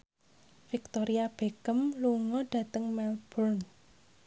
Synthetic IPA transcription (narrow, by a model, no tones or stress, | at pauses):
fik̚t̪oɾiab̥ekəmluŋɔɖ̥ä̤t̪əŋmɛlb̥ɔrn